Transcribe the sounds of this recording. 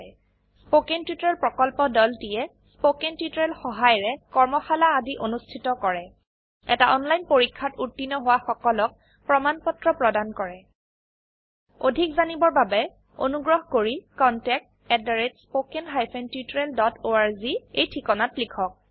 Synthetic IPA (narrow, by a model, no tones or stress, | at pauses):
spokentjutɹɛlpɹɔkɔlpɔdɔltijɛ | spokentjutɔɹɛlxɔɦajɹɛkɔɹmɔxalaːdiʔonustʰitɔkɔɹɛ | ɛ̰taʔɔnlajnpoɹikʰːatutːinɔɦʊwaxɔkɔlɔk̚ | pɹɔmanpɔtɹɔpɹɔdankɔɹɛ | odʱikzanibɔɹbabɛ | o̰nuɡɹɔɦkoɹikɔntɛk̚t | ɛdaɹetspokenɦajpʰɛntjutɹeldɔtoaɹziejtʰikɔnatlikʰɔk̚